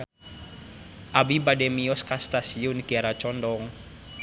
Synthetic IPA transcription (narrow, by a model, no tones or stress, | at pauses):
ʔabibadɛmiɔskast̪asiunikiaɾat͡ʃɔndɔŋ